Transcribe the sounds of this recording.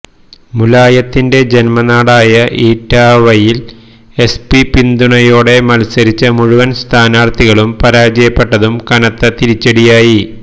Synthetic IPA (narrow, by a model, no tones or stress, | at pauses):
mulaːjɐt̪ːinde̞d͡ʑe̞nmɐnaːɽaːjɐʔiːtːaːʋɐjil | e̞spipind̪uɳɐjo̞ːɽe̞mɐlsɐɾit͡ɕːɐmuɻuʋɐnst̪ʰaːnaːrt̪iɣɐɭumpɐɾaːd͡ʑɐjɐpːe̞ʈːɐðumkɐnɐt̪ːɐt̪iɾit͡ɕːeɽijaːji